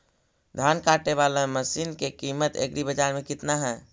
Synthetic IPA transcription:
d̪ʱankaʈeβalaməsinkekimət̪ḛkɾibəd͡ʒaɾmekit̪naɦɛː

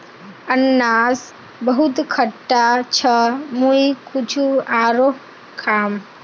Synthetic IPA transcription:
ənːas | bəɦut̪kʰəʈːat͡ʃʰəmujkʰut͡ʃʰuaːɾo | kʰaːm

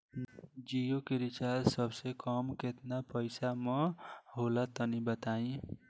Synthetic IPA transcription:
d͡ʒijokeɾit͡ʃaɾsʌbsekɔmket̪napʌjsamʌ̃ɦolat̪ʌnibət̪aĩ

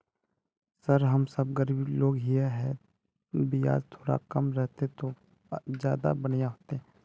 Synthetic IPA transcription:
səɾɦəmsəbɡəɾbiloːɡɦieɦɛ | bɪja̰ːzt̪ʰoːɾa̰kəmɾɛɦt̪et̪o | d͡ʒjaːd̪a̰bənjaɦoːt̪eɦɛ̃ː

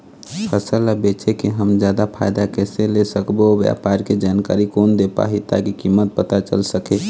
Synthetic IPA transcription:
pʰəsəlabet͡ʃekeɦəmd͡ʒjaːd̪apʰaɪd̪akɛːselesəkbobja̰ːpaːɾked͡ʒaːnka̰ːɾikoːnd̪epa̰ɦit̪a̰kikimːət̪̚pət̪at͡ʃə̰lsəke

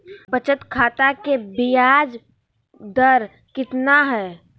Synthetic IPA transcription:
bət͡ʃət̪kʰaːt̪akebijaːd͡ʒ | d̪əɾ | kɪt̪naɦɛː

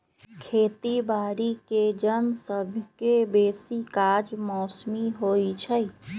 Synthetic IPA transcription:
kʰeːt̪ibaːɽiked͡ʒənsəbʱkebeːsikaːd͡ʒmɔːsmiɦoit͡ʃʰəj

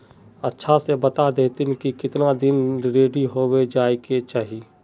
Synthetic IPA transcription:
ɐtːʃʰasebɐt̪ad̪eːt̪ɪnkikɪt̪nad̪ɪnɾɪɾeːɖiɦoːwed͡ʒaːiket͡ʃaːɦie

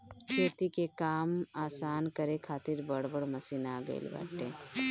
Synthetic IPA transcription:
kʰeːt̪ikekaːmaːsaːnkɐɾekʰaːt̪ɪɾbəɽbəɽmɐsiːnaɡə̰ɪ̰lba̰ːʈːḛː

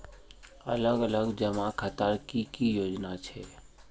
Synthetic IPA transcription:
ə̰ləɡələɡd͡ʒəmakʰət̪əɾkikijoːd͡ʒnat͡ʃʰɛː

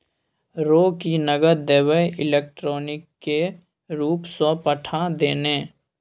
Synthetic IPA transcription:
ɾoːkinəɡəɾd̪eːwəɪleːk̚ʈɾoːnɪkːe | ɾuːpsõpəʈʰad̪eːneː

